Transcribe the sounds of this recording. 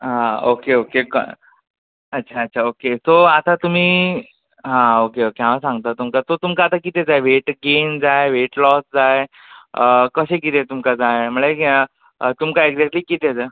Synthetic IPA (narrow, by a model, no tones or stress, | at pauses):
ɦãokeokekə̰ | ətːɕʰaətːɕʰaokesoat̪at̪um̤iː | ɦãokeokeɦãʋasãŋɡt̪at̪umkat̪ot̪umkaːt̪akit̪ed͡zajʋeʈɡemd͡zajeʋeʈlɔsd͡zaje | kəɕek̬it̪ẽt̪umkad͡zajm̤əɭe | t̪umkaeɡd͡zɛk̚ʈliːkit̪ed͡za